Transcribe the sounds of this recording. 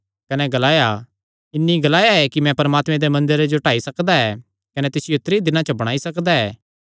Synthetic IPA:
kɐnɛɡɐlaːja | ɪnːiɡɐlaːjaɛkimɛ̃pɐɾɐmaːt̪mɛ̃d̪emɐ̃nd̪əɾed͡ʒoʈaːisɐkd̪aɛː | kɐnɛt̪ɪsɪjoʊt̪ɾid̪ɪnãt͡ʃɐbɐɽ̃aːisɐkd̪aɛ̰ː

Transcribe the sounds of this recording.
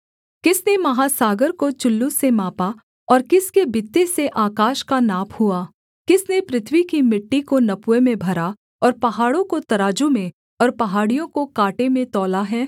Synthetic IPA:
kɪsnemɐɦaːsaːɡəɾkot͡ʃʊlːusemaːpa | ɔːɾkɪskebɪt̪ːeseʔaːkaːʃkanaːpʰhuaː | kɪsnepɾɪt̪ʰwikimɪʈːikonɐpwemẽbʱɐɾa | ɔːɾpɐɦaːɽõkot̪ɐɾaːd͡ʒumẽ | ɔːɾpɐɦaːɽijõkokaːʈemẽt̪ɔːlaɦɛː

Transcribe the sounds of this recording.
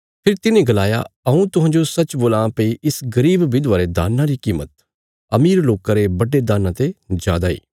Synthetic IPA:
pʰɪɾt̪ɪnẽɡɐlaːja̰ɐũt̪ʊɦãːd͡ʒosɐt͡ʃboːlãːpɐiʔɪsɡɐɾiːbʋɪd̪ʋaːɾed̪a̰ːnːãɾikiːmə̰t̪ | ɐmiːɾloːkãɾebɐɖed̪aːnãt̪ed͡ʒa̰ːd̪aḭː

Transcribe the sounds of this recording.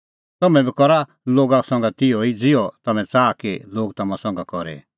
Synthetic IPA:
t̪ɐmɛ̃bikɔɾa | loːɡasɔ̃ŋ̆ɡat̪ɪoid͡zɪjɔt̪ɐmɛ̃t͡saːkiloːɡt̪ɐmãsɔ̃ŋɡakɔɾɛ̰

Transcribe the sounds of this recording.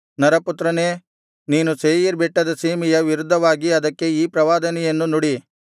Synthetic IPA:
nɐɾɐput̪ɾɐneː | niːnuseːjiɾbɛʈːɐd̪ɐseːmijɐʋiɾud̪ʱːɐʋaːɡiɐd̪ɐkːe̞iːpɾɐʋaːd̪ɐnɛjɐnːunuɽi

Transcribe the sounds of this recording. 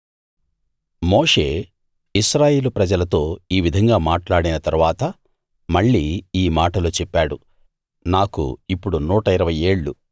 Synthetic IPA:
mo̞ːʂe̞ː | iʃɾaːje̞ːlupɾɐd͡ʒɐlɐt̪o̞ːiːʋid̪ʱɐŋɡaːmaːʈlaːɽinɐt̪ɐɾuʋaːt̪ɐ | mɐɭːiːiːmaːʈɐloːt͡ʃɛpːaːɽu | naːkṵipːuɽunuːʈɐiɾɐʋɐje̞ːɭːṵ

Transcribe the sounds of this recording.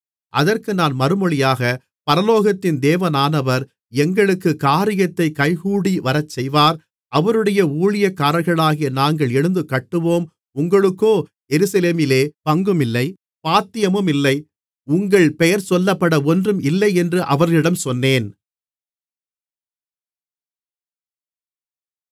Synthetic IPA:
ʔɐðɐrkɯnaːnmɐɾɯmɔɭɪjaːɣɐ | pɐɾɐloːɣɐt̪ːɪnd̪eːʋɐnaːnɐʋɐɾ | ɛŋɡɐɭɯkːɯkaːɾɪjɐt̪ːɐɪkɐɪɣuːɽiʋɐɾɐt͡ʃːɛjʋaːɾ | ʔɐʋɐɾɯɽɐjɐuːɻɪjɐkːaːɾɐlɣɐɭaːɣɪjɐnaːŋɡɐɭɛɻɯnd̪ɯkɐʈːɯʋoːm | ʊŋɡɐɭɯkːoː | ɛɾɯsɐleːmɪleːpɐŋɡɯmɪlːɐɪ | paːt̪ːɪjɐmɯmɪlːɐɪ | ʊŋɡɐɭpɛjɐɾsɔlːɐpːɐɽɐɔndrɯmɪlːɐɪɛndrɯʔɐʋɐɾɣɐɭɪɽɐmsɔnːeːn

